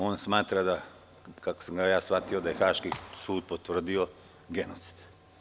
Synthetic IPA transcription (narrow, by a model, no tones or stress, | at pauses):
oːnsmaːt̪ɾad̪a | kakosaŋɡajaːsʋat̪io̞d̪aje̞xaːʃkisuːd̪̚pot̪ʋr̩d̪io̞ | ɡe̞not̪si̥d̪̥